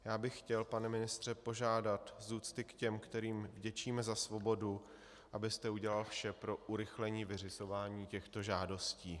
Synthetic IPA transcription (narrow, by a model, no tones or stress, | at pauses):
jaːbɪxːcɛlpanɛmɪnɪst̪r̝̥ɛpo̞ʒaːdat̪zuːt͡st̪ɪkcɛmkt̪ɛɾiːmvɟɛt͡ʃiːmɛzasvo̞bo̞du | ʔabɪst̪ɛuɟɛlalfʃɛpɾo̞ʔuɾɪxlɛɲiːvɪr̝ɪzo̞vaːɲiːcɛxt̪o̞ʒaːdo̞sciː